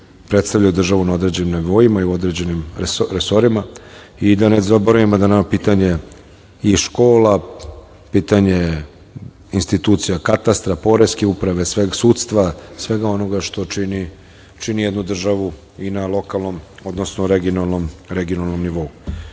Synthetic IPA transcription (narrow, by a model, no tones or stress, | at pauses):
pɾet̪st̪avʎajud̪r̩ʒaʋunao̞d̪ɾe̞ːd͡ʑenimneʋo̞imaiuo̞d̪ɾe̞d͡ʑe̞nimɾeso̞ɾima | id̪anezaboɾujemad̪anamapiːt̪aɲe̞ | iʃko̞ːla | piːt̪aɲe̞ | inst̪it̪uːt̪sijakat̪ast̪ɾapo̞ɾeskeupɾaʋe̞sʋeɡsut̪st̪ʋasʋe̞ɡao̞no̞ɡaʃt̪o̞t͡ʃini | t͡ʃinijed̪nud̪r̩ʒaʋu | inalˠo̞kalˠno̞mo̞d̪nosnoɾeɡionalˠno̞mɾeɡionalˠno̞mniʋo̞u